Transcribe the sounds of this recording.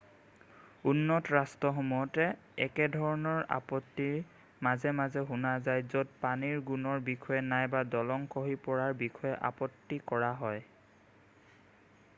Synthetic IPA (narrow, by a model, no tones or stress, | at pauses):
unːɔtɹastɔxɔmujɔtɛ | ɛkɛdʱɔɹɔnɔɹa̰pɔtːi | mazɛmazɛɦunazajzod̚paniɹɡunɔɹbixʰɔjɛnajbadɔlɔŋkɔɦipɔɹaɹbixʰɔjɛʔa̰pɔtːikɔɹaɦɔj